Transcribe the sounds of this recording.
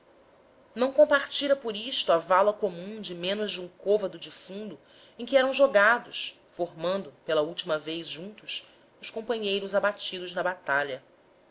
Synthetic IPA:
nɐ̃w̃kõpaɾt͡ʃiɾɐpʊɾiʃt̪ʊavalɐkomũd͡ʒɪmẽnʊzd͡ʒɪũŋkovɐd̪ʊd͡ʒifũnd̪ʊ | ẽj̃kɪɛɾɐ̃w̃ʒoɡad̪ʊsfoɾmɐ̃nd̪ʊpelɐuwt͡ʃimɐvejzʒũnt̪ʊs | ʊskõmpɐ̃ɲejɾʊzabat͡ʃid̪ʊʒnɐbat̪aʎɐ

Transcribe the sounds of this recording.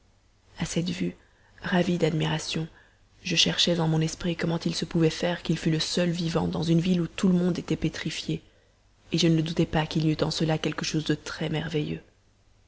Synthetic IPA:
asɛt̪vy | ʁavid̪ad̪miʁasjɔ̃ | ʒəʃɛʁʃɛzɑ̃mɔ̃nɛspχikɔmɑ̃t̪ilsəpuvɛfɛʁkilfyləsœlvivɑ̰̃d̪ɑ̃zynvilut̪uləmɔ̃d̪et̪ɛpet̪χifje | eʒənəd̪ut̪ɛpakilyt̪ɑ̃səlakʲɛlkəʃozd̪ət̪χɛmɛʁvejø̰

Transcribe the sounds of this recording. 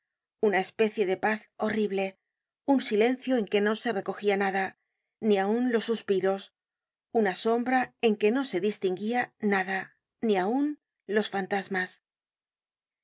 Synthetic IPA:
unae̞spe̞θje̞ðe̞paθo̞riβle̞ | unsile̞n̟θjo̞e̞ŋke̞no̞se̞re̞ko̞xianaða | niaunlo̞sːuspiɾo̞s | unaso̞mbɾae̞ŋke̞no̞se̞ðist̪iŋɡianaða | niaun | lo̞sfant̪azmas

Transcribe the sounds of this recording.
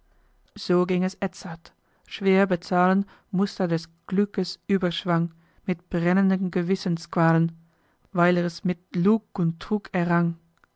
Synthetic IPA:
z̥oːɡɪŋɛsʔɛt͡sat | ʃv̥eːɐbət͡saːlən | mʊstɐdɛsɡ̥lʏkəsʔyːbɐʃv̥aŋ | mɪt̚b̥ʁɛnəndənɡəvɪsənskv̥aːlən | vaɪlɛɛsmɪtluːkʊntːʁ̥uːkʰɛɐʁaŋ

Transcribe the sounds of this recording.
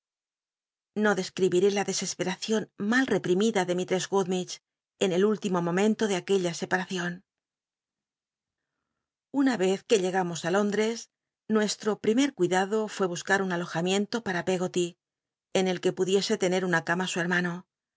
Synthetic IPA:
no̞ðe̞skɾiβiɾe̞laðe̞se̞spe̞ɾaθjo̞nmalre̞pɾimiðaðe̞mit̪ɾe̞zɣuðmit͡ʃ | e̞ne̞lult̪imo̞mõ̞mẽ̞nt̪o̞ðeake̞ʎase̞paɾaθjo̞n | unaβe̞θke̞ʎe̞ɣamo̞salo̞nd̪ɾe̞s | nwe̞st̪ɾo̞pɾime̞ɾkwiðaðo̞fwe̞β̞uskaɾunalo̞xamje̞nt̪o̞paɾape̞ɣo̞t̪i | ene̞lke̞puðje̞se̞t̪e̞ne̞ɾunakamasue̞ɾmano

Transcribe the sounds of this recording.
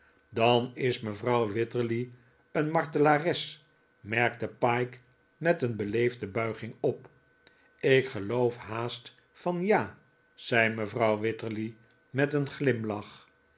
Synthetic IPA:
dɑnɪsməvrɑwʋɪtəɹli | ənmɑɹtəlaːrɛs | mɛɹk̚təpɑjk | mɛtənbəlejvdəbœɥχɪŋɔp | ɪkχəlowfhaːst | fɑnjaː | z̥ɛjməvrɑwʋɪtəɹli | mɛtənχlɪmlɑχ

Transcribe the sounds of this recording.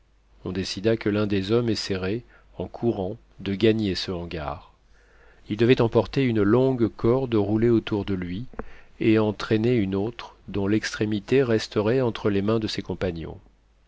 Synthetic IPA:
ɔ̃d̪esid̪akəlɛ̃d̪ezɔmɛseʁe | ɑ̃kʰuʁɑ̃ | d̪əɡaɲesəɑ̃ɡa̰ːʁ | ild̪əvɛt̪ɑ̃pɔʁt̪eynəlɔ̃ɡkʰɔʁd̪əʁuleot̪uʁd̪əlɥieɑ̃t̪χeneynot̪χd̪ɔ̃lɛkst̪χemit̪eʁɛst̪əʁɛɑ̃t̪χəlemɛ̃d̪əsekɔ̃paɲjɔ̰̃

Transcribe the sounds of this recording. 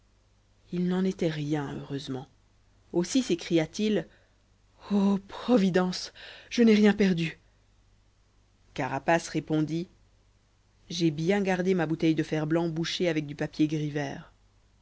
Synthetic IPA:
ilnɑ̃net̪ɛʁjɛ̃ø̰ʁøzmɑ̃ | osisekχijat̪il | opχɔvid̪ɑ̃sʒ̥ənɛʁjɛ̃pɛʁd̪y | kaʁapasʁepɔ̃d̪i | ʒebjɛ̃ɡaʁd̪emabut̪ɛjd̪əfɛʁblɑ̃buʃeavɛk̚d̪ypapjeɡʁivɛːʁ

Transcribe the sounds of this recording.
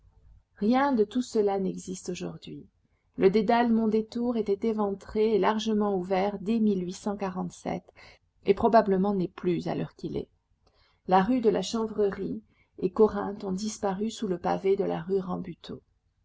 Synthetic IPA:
ʁjɛ̃d̪ət̪usəlanɛɡzist̪oʒuʁd̪ɥi | ləd̪ed̪almɔ̃d̪et̪uʁet̪ɛt̪evɑ̃t̪χeːlaʁʒəmɑ̃uvɛʁd̪ɛmilɥisɑ̃kaʁɑ̃t̪sɛ̰t̪ | epχɔbabləmɑ̃nɛplyza̰lœʁkʲilɛ̰ | laʁyd̪əlaʃɑ̃vʁəʁi | ekɔʁɛ̃t̪ɔ̃d̪ispaʁysuləpa̰ved̪əla̰ʁyʁɑ̃byt̪ʰo̰

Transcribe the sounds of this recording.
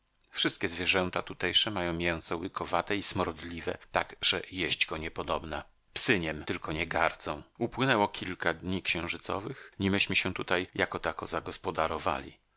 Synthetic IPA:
fʂɨst̪kʲɛzvʲjɛʐɛnt̪at̪ut̪ɛjʂɛmajɔ̃w̃mʲjɛñsɔwɘkʰɔvat̪ɛismɔɾd̪lʲivɛ̰t̪aɡʐɛjɛʑd͡ʑɡɔɲɛpɔd̪ɔbna | psɘɲɛmt̪ɘlkɔɲɛɡaɾt̪sɔ̃w̃upwɘnɛwɔkʲilkad̪ɲikɕɛ̃w̃ʐɘt̪sɔ̰vɘxɲimɘɕmɘɕɛt̪ut̪ajjakɔt̪akɔzaɡɔspɔd̪aɾɔva̰lʲḭ

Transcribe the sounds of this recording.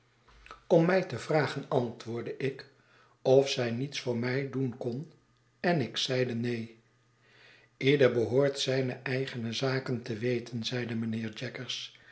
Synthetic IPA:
ɔmːɛjtəvraːχənɑntʋʊːɹdəʔɪk | ɔfsɛjnitsfʊːɹmɛjdunkɔn | ɛnɪksɛjdənej | ɪːdəɹbəɦʊːɹtsɛjnəʔɛjχənəzaːkəntəʋejtənzɛjdəmənɪːɹd͡ʒɛkəɹs

